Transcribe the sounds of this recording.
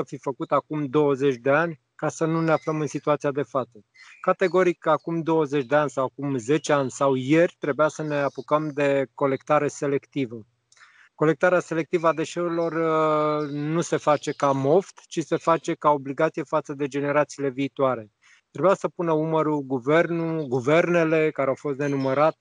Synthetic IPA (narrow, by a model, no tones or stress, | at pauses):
əfifəkut̪akumd̪o̞wəze̞t͡ʃʲd̪e̞anʲ | kasənune̞afləmɨnsit̪uat̪sijad̪e̞fat̪sə | kat̪e̞ɡo̞ɾikakumd̪o̞wəze̞t͡ʃʲd̪eanʲsawakumze̞t͡ʃeanʲsawje̞rʲt̪ɾe̞bujasəne̞apukəmd̪e̞ko̞le̞kt̪aɾe̞se̞le̞kt̪ivə | ko̞le̞k̚t̪aɾease̞le̞k̚t̪ivəad̪e̞ʃe̞uɾilo̞r | nuse̞fat͡ʃe̞kamo̞ft̪t͡ʃise̞fat͡ʃe̞kao̞bliɡat̪sije̞fat̪səd̪e̞d͡ʒe̞ne̞ɾat̪siːle̞viːt̪uaɾe̞ | t̪ɾe̞bujasəpunəuməɾuɡuve̞rnuɡuve̞rne̞le̞kaɾeawfo̞st̪nenuməɾat̪e̥